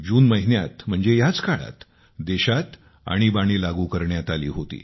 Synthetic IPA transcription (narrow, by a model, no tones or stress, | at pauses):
d͡ʑuːnməɦinja̰t̪m̤əɳd͡zejat͡skaɭa̰t̪ | d̪eɕat̪ | a̰ɽ̃ibaɽ̃ilaɡuːkəɾɳjat̪alḭːɦot̪ḭː